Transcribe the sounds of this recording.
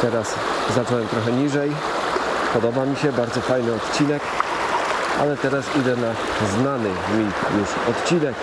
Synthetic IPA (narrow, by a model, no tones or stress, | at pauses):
t̪ɛɾas | zat͡ʂɔwɛmt̪ɾɔxɛɲiʐɛj | pɔd̪ɔbamʲiɕɛbaɾd̪zɔfajnɘɔt̪t͡ɕinɛk | ʔa̰lɛt̪ɛɾasid̪ɛna | znanɘ | mujuʂɔt̪t͡ɕinɛk